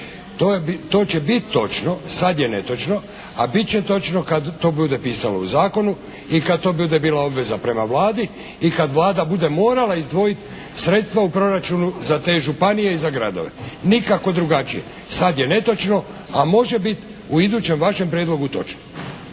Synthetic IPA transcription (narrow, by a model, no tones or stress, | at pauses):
t̪ot̪o̞ːt͡ɕe̞bit̪ːo̞t͡ʃno̞sad̪je̞ne̞t̪o̞t͡ʃno̞ | abit̪̚t͡ɕe̞t̪o̞t͡ʃno̞kad̪ːo̞ːbud̪e̞piːsalouzaːko̞nu | ikad̪̚t̪o̞ːbud̪ebiːlao̞bʋe̞zapɾe̞maʋlaːd̪i | ikad̪ʋlaːd̪abud̪e̞mo̞ːɾalaizd̪ʋo̞it̪ | sɾe̞t̪st̪ʋaupɾo̞ɾat͡ʃunuzat̪e̞ːʒupanije̞izaɡɾa̰d̪o̞̰ʋe̞̰nikako̞d̪ɾuɡat͡ʃije̞̰ | sad̪je̞ne̞t̪o̞t͡ʃno̞ | amo̞ʒe̞bit̪ | uid̪uːt͡ɕe̞mʋaʃe̞mpɾjed̪lo̞ɡut̪o̞̰t͡ʃno